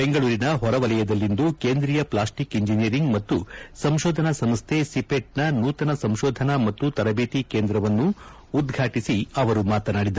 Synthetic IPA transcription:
beŋɡɐɭuːɾinɐɦɔɾɐʋɐlɐjɐd̪ɐlːind̪ukeːnd̪ɾiːjɐplaːsʈikiɲd͡ʒinijɐɾiŋɡmɐt̪ːusɐmʃɔːd̪ʱɐnɐsɐmst̪ʰe̞sipeʈ̚nɐnuːt̪ɐnɐsɐmʃɔːd̪ʱɐnɐmɐt̪ːut̪ɐɾɐbeːt̪ikeːnd̪ɾɐʋɐnːuː | d̪ɡʱaːʈisiɐʋɐɾumaːt̪ɐnaːɽid̪ɐɾ

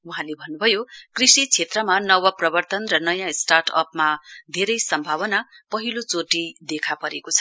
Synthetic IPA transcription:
wuɦãlebʱʌnːubʱʌjokrisit͡sʰet̪rʌmanʌwʌprʌbʌrt̪ʌnrʌnʌjãsʈarʈʰʌ̰pmad̪ʱeɾʌjsʌmbʱaβʌna | pʌɦilot͡soʈid̪ekʰapʌɾekot͡sʰʌ

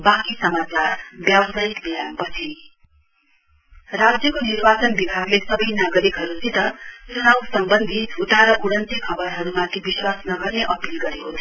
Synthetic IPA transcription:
bakisʌmat͡sarbjabʌsajik̪bijanpʌt͡sʰi | rad͡zjʌkonirbat͡sʌnbibʱaɡlesʌbʌjnaɡʌɾikɦʌɾusit̪ʌt͡sunawsʌmbʌnd̪ʱit̪ut̪aɾʌʔuɽʌnt̪ikʰʌbʌɾɦʌɾumãt̪ʰibiswasnʌɡʌrneʔʌpilɡʌɾekot͡sʰʌ

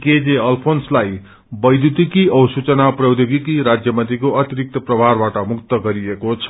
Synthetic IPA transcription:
ked͡zeʌlpʰonslaj | bʌjd̪ut̪ikiʌwsut͡sʌnaprʌwd̪oɡikiɾad͡zjʌmʌnt̪ikoʔʌt̪iɾik̚t̪ʌprʌbʱarbaʈʌmuk̚t̪ʌɡʌɾiekot͡sʰʌ̥

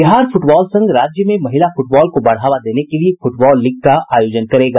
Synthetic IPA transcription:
bɪɦaːɾfʊʈbɔːlsɐ̃ŋɡɾaːd͡ʒjəmẽmɐɦɪlafʊʈbɔːlkobɐɽ̤aːʋad̪eːnekeliefʊʈbɔːlːɪɡ̚kaaːjoːd͡ʒənkɐɾeːɡaː

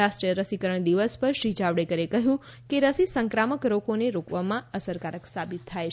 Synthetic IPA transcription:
aʃʈɾijəɾəsikəɾəɳ̃d̪iʋəspəɾʃɾid͡ʒaʋɽekəɾekəɦjũ | keɾəsisə̃ŋkɾaməkɾokoneɾokʋamãəsəɾkaɾəksabit̪ʰːaj

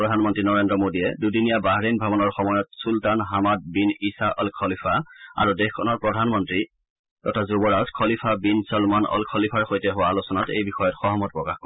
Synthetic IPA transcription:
ɹɔdʱanmɔntɹinɔɹendɹɔmodiɛdudinijabaɦɹinbʱabɔnɔɹxɔmɔjɔtsultanɦamad̚binisaʔɔlkʰɔlipʰaa̰ɹudexkʰɔnɔɹpɹɔdʱanmɔntɹi | ɛtʰazubɔɹaskʰɔlipʰabinsɔlmanɔ̰lkʰɔlipʰaɹxojtɛɦʊwaːlʊsɔnatḛjbixɔjɔtxɔɦɔmɔt̚pɹɔkaxkɔ

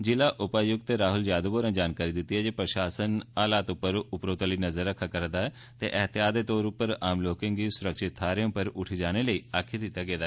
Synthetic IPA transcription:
d͡ʒɪlaːʔʊpaːjʊɡ̚t̪eːɾaːɦʊljaːd̪əboːɾãːd͡ʒaːnkaːɾiːd̪ɪt̪ːiɦɛːd͡ʒeːpɾəʃaːsənaːlaːt̪ʊpːəɾʊpɾoːt̪ːliːnəzəɾːəkʰːaːkəɾd̪aːɛː | t̪ḛːʔəɦt̪ɪjaːd̪eːt̪ɔːɾʊpəɾaːmloːkɪ̃ŋɡiːsʊɾəkʃɪt̪ʰːaːɾeõːpəɾʊʈʰiːd͡ʒaːñeləiːaːkʰed̪ɪt̪ːaːɡeːd̪aː

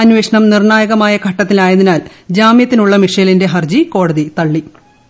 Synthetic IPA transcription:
ɐnʋeːʂɐɳɐmnirɳaːjɐɣɐmaːjɐkʰɐʈːɐt̪ːilaːjɐninaːl | d͡ʑaːmjɐt̪ːinuɭːɐmiʂɐjɐlinde̞ɦɐrd͡ʑiko̞ːɽɐðit̪ɐɭːi

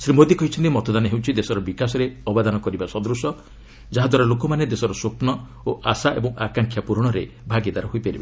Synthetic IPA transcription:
sɾimod̪ikɔɦit͡ʃʰɔ̃nt̪imɔt̪ʰɔd̪anɔɦewt͡ʃʰid̪esɔɾɔbikasɔɾeɔbad̪anɔkɔɾibasɔd̪ɾusɔ | d͡ʒaɦad̪waɾɔlokɔmaned̪esɔɾɔsuoknɔ | oʔasaʔebɔŋakaŋkʰjapuɾɔɽ̃ɔɾe | bʱaɡid̪aɾɔɦoipeɾiba

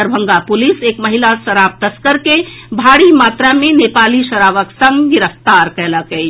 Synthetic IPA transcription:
əɾbʱə̃ŋɡapuliseːkməɦilasəɾap̚t̪əskəɾkebʱaɽimaːt̪ɾamẽnepaːliʃəɾaːʋəksə̃ŋɡɡɪɾəpt̪aɾkɛləkɛi

